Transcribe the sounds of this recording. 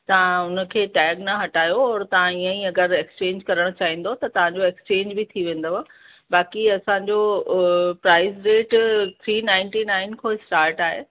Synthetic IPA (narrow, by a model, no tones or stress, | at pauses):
t̪ɐʋ̤ãʊnə̆kʰeːʈɛːɡnɐɦɐʈaːjoɔːɾt̪ɐʋ̤ãiːə̃ĩɐɡəɾekst͡ɕẽːɲd͡ʑkɐɾəɽ̃t͡ɕaːɦĩːn̆d̪ot̪ɐt̪ɐʋ̤ãɲd͡ʑoekst͡ɕẽːɲd͡ʑbɪt̪ʰiʋẽːn̆d̪oɦ | baːkiɐsãɲd͡ʑo | pɾaːɪzɾeːʈt̪ʰɾiːnaːɪ̃nʈinaːɪnkʰoːɪsʈaːɾʈaːɦe